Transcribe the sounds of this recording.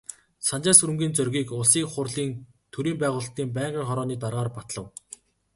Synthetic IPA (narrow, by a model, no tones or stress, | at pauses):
sant͡ɕaːsɵɾɵ̆mɡʲiːnt͡sœrɣʲiːkʊɮsiːkχʊrɮiːn | t̪ʰɵɾiːmpæːʁʊːɮt̪iːmp̬æːɴɢiːŋχɔɾɔːniːt̪arʁaːrpat̪ɮə̆w